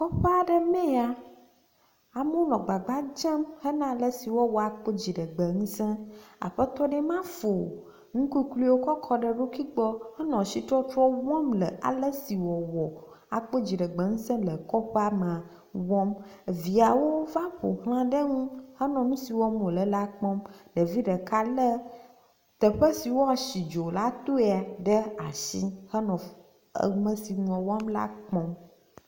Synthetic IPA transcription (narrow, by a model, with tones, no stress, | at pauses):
kɔ˦ɸe˦a˨ɖə˦mɛ̃˦a˨ | a˨mõ˦lɔ̃˨ɡ͡ba˨ɡ͡ba˦d͡ʒɛ˦mhə˦nã˨lə˦˨si˨wɔ˦wɔ˨a˨k͡pə˦d͡ʑi˨ɖə˨ɡ͡bə˨ŋũ˦sɛ̃˦a̰˨ɸə˦t̪ɔ˦ɖɛ˦mã˦fo˨ | ŋũ˦ku˦klu˦wo˦kɔ˦kʰɔ˦ɖə˨ɖo˦ki˦ɡ͡bɔ˦hə˦nɔ̃˨si˦t̪ɾɔ˦t̪ɾɔ˦wɔ̃˦mlə˨a̰˨lə˦si˨wɔ˨wɔ˨ | a˨k͡po˦d͡ʑi˨ɖə˨ɡ͡bə˨ŋũ˦sɛ̃˦lə˨kɔ˦ɸe˦a˦mã˨ | wɔ̃˦m˨vi˨a˨wo˦va˦ɸo̰˨ɦl̃ã˦ɖə˦ŋũ˦hə˦nɔ̃˨nũ˦si˨wɔ˦mwo˨lə˨la˦k͡pɔ̃˦mɖə˨vi˦ɖə˨ka˦lə˦ | t̪ə˨ɸə˦si˨wo˦a˨ʃi˨d͡ʒo˨la˦t̪o˦e˨a˨ɖə˦a˨ʃi˦hə˦nɔ̰̃˨˦˨ | mə̃˦si˨ɲũ˨ɔ̃˨wa˦mla̰˦k͡pɔ̃˦m